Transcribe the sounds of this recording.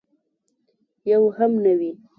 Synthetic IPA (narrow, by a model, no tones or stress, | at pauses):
jawhamnawi